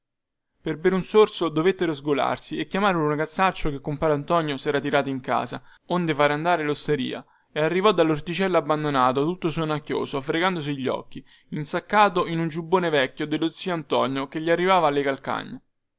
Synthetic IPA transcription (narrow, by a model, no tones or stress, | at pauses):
perbeɾunsorsod̪ovet̪ːeɾozɡola̰rsiekːjamaːɾlunaɡat̪sːat͡ʃːokekːompaːɾant̪ɔnjosɛːɾat̪iɾaːt̪oiŋka̰ːsa̰ond̪efaːɾeand̪aːɾelost̪eɾḭːa̰ | earːivɔd̪ːalːort̪it͡ʃɛlːaabːand̪onaːt̪ot̪ut̪ːosonakːjo̰ːsoafɾeɡand̪os̬iʎːɔ̰kːi | insakːaːt̪oinund͡ʒubːoːnevɛkʲːjod̪elːot̪sːiːant̪ɔɲjokeʎːiarːivaːvaːlːekalka̰ɲːe